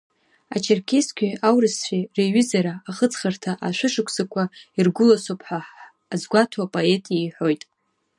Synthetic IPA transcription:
a̰t͡ʃʰarkʲʰeskʲʷʰiawrɨsħʷᶣireɥɪzaɾaːχət͡sʰʼχartʰaʔaʃʷɨʂɨkʷʰsakʷʰairɡʷʊlasopʰʼħʷᶣaħ | azɡʷatʰapʼoe̞tʼijajħʷᶣo̞jtʼ

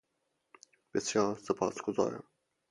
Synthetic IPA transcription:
b̥esjɒːɾsepʰɑ̰ːsɡ̥ozɒ̰ːɾæ̰m

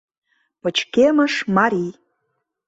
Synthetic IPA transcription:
pə̆t͡ɕkemə̆ʃmɑɾʲi

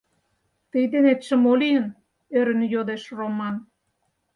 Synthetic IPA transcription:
t̪əjd̪enet̪ʃə̆molijən | øɾə̆njod̪eʃromɑn

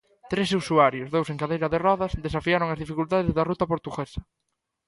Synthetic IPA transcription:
t̪ɾes̬usuaɾjʊzðowseŋkaðejɾɐðerɔðɐsðesafiaɾʊŋɐzðifikult̪aðezðɐrut̪ɐpoɾt̪uɣesɐ̥

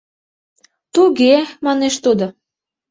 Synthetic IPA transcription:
t̪uɣemɑneʃt̪od̪o

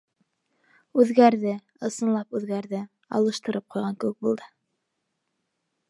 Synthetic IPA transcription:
ʉðɡæɾðɘ | ɤ̆sɤ̆nlˠɑpʉðɡæɾðɘ | ɑ̰lˠɤ̆ʃt̪ɤ̆ɾɤp̚qujʁɑŋkɘ̆wɘk̚bulˠd̪ɤ

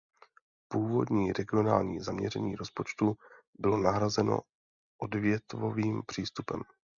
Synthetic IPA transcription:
puːvo̞̰dɲiːɾɛɡɪo̞naːlɲiːzamɲɛ̰ɾɛ̰ɲiːɾo̞spo̞t͡ʃt̪u | bɪlo̞naɦɾazɛno̞̰ | ʔodvjɛt̪voviːmpr̝̥iːst̪upɛ̰m

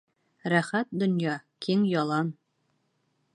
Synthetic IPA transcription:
ɾæχæt̪̚d̪ŏnjɑkʰiŋjɑlˠɑn

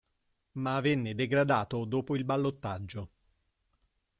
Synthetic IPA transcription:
maːvenːed̪eɡɾad̪aːt̪od̪oːpoilbalːot̪ːad͡ʒːo

